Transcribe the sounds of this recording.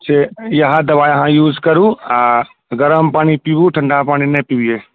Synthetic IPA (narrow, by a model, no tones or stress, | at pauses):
sejɐɦad̪ɐʋaːjɦãjuːzkɐɾũa | ɡɐɾəmpaːɽ̃ipiʋuʈʰɐ̃ɳɖapaːɽ̃inẽpiʋieː